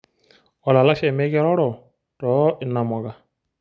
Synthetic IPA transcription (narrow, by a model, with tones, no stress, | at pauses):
ɔ˨la˨la˦ʃɛ˨mɛ˦kɛ˦ɾɔ˦ɽɔ˨ | tɔ˨˦ʔɪ˨nːa˨mɔ˨ka˨